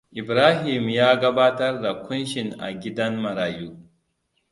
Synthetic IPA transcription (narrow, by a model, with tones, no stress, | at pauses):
ʔɪ˨bɾaː˦ɦɪ˨mjaː˦ɡɐ˦baː˦tɐ˦rda˨kʷʊ˦nʃɪ˨ŋʔa̰˨ɡʲɪ˦dɐ˦nmɐ˨ɾaː˨juː˦